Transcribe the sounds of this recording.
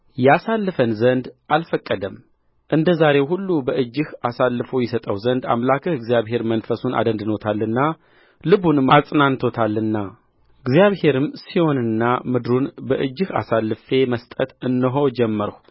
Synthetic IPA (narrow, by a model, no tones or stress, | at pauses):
jɛasalːɨfənzənd̪ʔalfəkʼːəd̪əm | ʔɨnd̪əzaɾe̞whulːubəʔɨd͡ʒːɨhasalːɨfojɛsət̪ʼəwzənd̪a̰mlakʰəhɨɡzjaβɦe̞ɾmənfəsuna̰d̪ənd̪no̞t̪ʰalːɨnːa | lɨβunɨmasʼnant̪ʰo̞t̪ʰalːɨnːa | ɨɡzjaβhe̞ɾɨmsiho̞nɨnːamɨd̪ɾunbəʔɨd͡ʒːɨha̰salːɨfe̞məst̪ʼət̪ɨnːəɦo̞d͡ʒɛmːəɾəw